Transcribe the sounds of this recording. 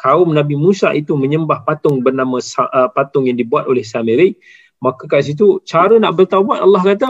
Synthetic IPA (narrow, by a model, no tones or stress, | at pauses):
kaʊmnabimũsa̰ʔit̪umə̃ɲəmbahpat̪ʊŋbərnãmãsapat̪ʊŋjaŋdibuat̪olɛhsameɾɪk̚ | makəkas̬it̪̬ut͡ʃaɾənaʔbərt̪aubuat̪alːahkat̪a